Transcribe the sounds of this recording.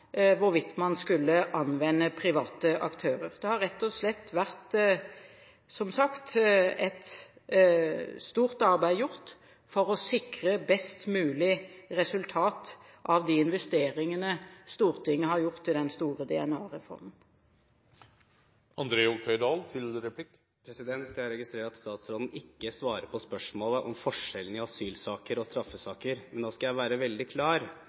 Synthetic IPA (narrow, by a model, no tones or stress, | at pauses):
ʋʊɾʋɪt̪mɑnskʉlːəʔɑnʋɛnːəpʰɾɪʋɑːt̪əʔɑkt̪ʰøːʁəʁd̪ɛhɑɾʁɛt̪ːɔslɛt̪ːʋæʁt̪ | sɔmsɑkt̪ɛt̪ | st̪uːʁt̪ɑʁbæɪjʊʁt̪ | fɔʁɔsɪkʁəbɛst̪mʉːlɪʁɛsʉlt̪ʰɑːt̪ | ʔɑʋd̪iɪnʋɛst̪eːʁɪŋənəst̪uːʁt̪ʰɪŋːəhɑʁjʊʁt̪ːɪd̪ɛnst̪uːʁəd̪ɛɛnɑːʁɛfɔ̰ʁmən̩ | ʔɑnd̪ɾeːʊɡt̪ʰœʏd̪ɑːlt̪ʰɪlɾɛpʰlɪk | pʰɾɛsɪd̪ɛnt̪jæɑɾɛɡɪst̪ɾeːɾʈɑt̪st̪ɑːt̪sɾoːd̪n̩ɪkːəsʋɑːɾəɾpʰɔspœʂmoːləʔɔmfɔʂɛln̩ɪɑsyːlsɑːkəɾɔst̪ɾɑfːəsɑːkəɾmɛnnoːskɑjæɪʋæːɾəʋɛld̪ɪkʰlɑːɾ